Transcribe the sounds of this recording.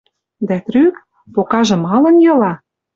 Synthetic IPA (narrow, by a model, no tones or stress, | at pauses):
d̪æt̪ɾyk | pokɑʒɤ̆mɑlɤ̆njɤ̆lɑ